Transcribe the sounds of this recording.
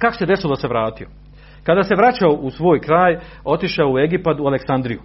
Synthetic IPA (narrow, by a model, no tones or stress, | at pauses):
kako̥se̞d̪e̞silod̪ase̞ʋɾaːt̪io̞ | kad̪aːse̞ʋɾat͡ɕaoʔusʋo̞ːjkɾaːj | o̞t̪iʃaoue̞ɡipat̪ualeksand̪ɾiju